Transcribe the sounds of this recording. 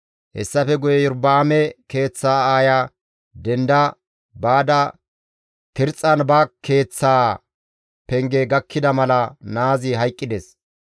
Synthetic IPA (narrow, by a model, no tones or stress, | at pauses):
hɛ̰sːɐfɛɡʊjɛʊɾbaːmɛke̞ːt͡sːaːaːja | d̪ɛnd̪ɐ | baːd̪ɐ | t̪ɪɾt͡sʼːɐnbɐke̞ːt͡sːaː | pɛŋɡɛɡɐkʰːɪd̪ɐmɐlɐnaːzɪɦɐjkʼːɪd̪ɛs